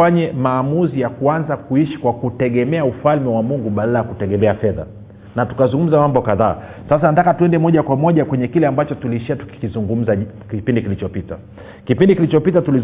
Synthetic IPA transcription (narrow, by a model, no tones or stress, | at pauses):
aɲɛmaːmuzijakuanzakuiʃi̥kwakutɛɠɛmɛaufalmɛwamuŋɡuɓalalajakutɛɠɛmɛafɛða̰ | natu̥kazuŋɡum̩zamambɔkaðaː | sas̬anatakatuɛndɛmɔʄakwamɔʄakwɛɲɛkilɛambat͡ʃɔtuliːʃiatu̥ki̥kizuŋɡum̩zakipindikilit͡ʃɔpita̰ | kipindikilit͡ʃɔpitatuli